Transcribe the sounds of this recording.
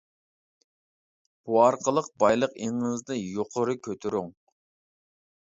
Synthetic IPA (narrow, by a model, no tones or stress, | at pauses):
b̥uɑɾqʰəlˠəq̚bɑjlˠəqeŋɨzd̪ɨjoqʰʊɾɨkʲʰøt̪ʰɪɾyŋ